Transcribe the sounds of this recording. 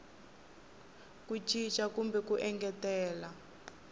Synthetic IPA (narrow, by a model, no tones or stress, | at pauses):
kut͡ʃʰʼit͡ʃʼakumbɛkuʔɛŋɡɛtɛːla